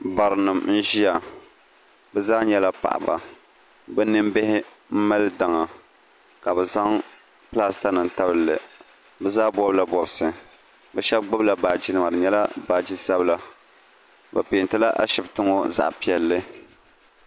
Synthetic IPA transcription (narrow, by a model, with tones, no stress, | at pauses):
ba˨ɾɨ˨nɨ˨mn̩˦ʒi˦a˨ | bɛ˦zaː˦ɲɛ˦la˦pa̰˨ʔa̰˨ba̰˨ | bɛ˦nɨ˦mbɪ˦hɪ˦ | m̩˦ma˦lɨ˦da˨ŋa˨ | ka˨bɛ˨za˦ŋ | plaː˦sta˦nɨ˨nta˦bɨ˦˨lːɨ˨ | bɛ˦zaː˦bɔ˦bla˦bɔ˨bsɨ˨ | bɛ˦ʃɛ˦bɡ͡bʊ˦bla˨baː˨d͡ʒi˦nɨ˨ma˨ɾɨ˨ɲɛ˦la˦baː˨d͡ʒi˦sa˦bla˨ | bɛ˨pɪː˨ntɨ˦la˦ʔa̰˦ʃɪ˨btɨ˦ŋo˦za̰˨ʔpi˨ɛ˨lːɨ˦